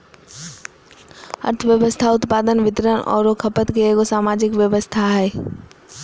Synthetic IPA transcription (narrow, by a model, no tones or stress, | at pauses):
ə̰ɾt̪ʰəʋjəʋəst̪ʰaʊt̪paːd̪ənʋɪt̪ɾənɔ̰ːɾokʰɐpət̪keeːɡosaːmaːd͡ʒɪkʋjəʋəst̪ʰaɦɛː